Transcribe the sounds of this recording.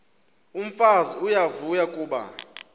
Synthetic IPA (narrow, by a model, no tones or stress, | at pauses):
um̩faziujavujakʼuːɓa̰